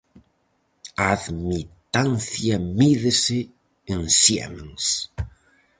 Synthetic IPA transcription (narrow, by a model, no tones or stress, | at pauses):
aaðmit̪anθjɐmiðeseː | nsjɛ̰meŋs